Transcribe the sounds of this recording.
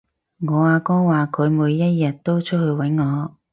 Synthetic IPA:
ŋɔː˨˧aː˧kɔː˥waː˨kʰɵ˨˧ɥmuː˨˧jːɐ˥t̚jɐ˨t̚t̪o˥wt͡ʃʰɵ˥t̚hɵ˧ɥwɐ˨˥jŋɔː˨˧

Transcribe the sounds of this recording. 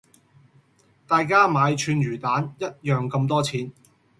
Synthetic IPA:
t̪aː˨jkaː˥maː˨˧jt͡ʃʰyː˨˧njyː˨˩t̪aː˨˥njɐ˥t̚jœː˨ŋkɐ˧mt̪̬ɔː˥t͡sʰiː˨˥n

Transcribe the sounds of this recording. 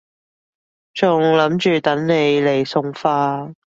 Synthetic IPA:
t͡sʊ˨˩ŋlɐ˨˥mt͡ʃyː˨˩t̪ɐ˨˥ŋne˨˧jle˨˩jsʊ˨˧ŋfaː˧

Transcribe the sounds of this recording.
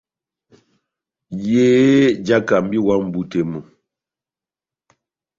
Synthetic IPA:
je˦d͡ʒa˦ka˨m̩˦bi˦wa˦m̩˨bu˦te˨mu˨

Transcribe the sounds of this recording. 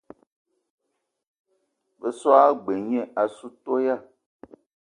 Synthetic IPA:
ve˨sɔ˦a˦ɡ͡be˨ɲɛ̃˨ʔa˨su˦t̪o˦ja˦˨

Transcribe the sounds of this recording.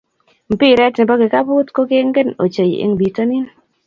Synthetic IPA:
m̩˨pi˦ɾɛ˦tnɪ˨bɔ˦ɡɪ˨ka˦bu˦tko˦ke˦ŋɡe˦no̰˨t͡ʃe˨jɪ̰˨ŋbi˨to˦nɪ˦n

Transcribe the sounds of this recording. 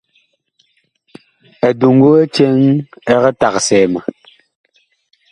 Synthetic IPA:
ɛ˨du˨ŋ˦ɡo˦ɛ˦t͡ʃɛ˦ŋɛ˦ɣɛ˦ta˨ksɛː˨ma˨

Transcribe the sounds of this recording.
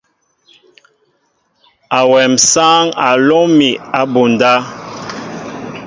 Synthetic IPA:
a˨wɛ˨msaː˦ŋa˨lɔ˦mi˨a˨bu˨n˨da˦

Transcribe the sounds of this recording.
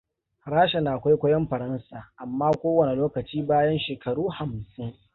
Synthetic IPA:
ɽaː˦ʃa˨naː˨ʔkʷa˦jkʷɐ˦jɔ˦mɸɐ˨ɾɐ˦nsaː˨ʔa˨mːaː˦kʷoː˦wɐ˨ne˨loː˦kɐ˨t͡ʃiː˦baː˦jɐ˦nʃeː˨kʰɐ˨ɽuː˦ha˨msɪ˦ŋ

